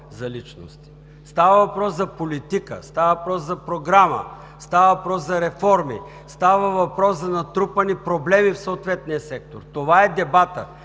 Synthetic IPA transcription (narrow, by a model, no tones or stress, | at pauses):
zɐlit͡ʃno̰st̪i̥ | st̪avɐvɐpɾɔszɐpolit̪ikə̰st̪avəvɐpɾɔzzɐpɾoɡɾamə̰ | st̪avɐvɐpɾɔszɐɾɛfɔɾmi | st̪avəvɐpɾɔszɐnɐt̪ɾupənipɾoblɛmifsoːt̪vɛt̪niəsɛk̚t̪oɾt̪ovaɛd̪ɛbat̪ə